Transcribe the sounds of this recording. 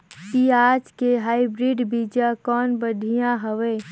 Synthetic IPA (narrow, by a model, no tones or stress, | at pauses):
kiaːd͡ʒkeɦaːibɾiːɖbid͡ʒakɔːnbəd̪ʱijãɦəʋeː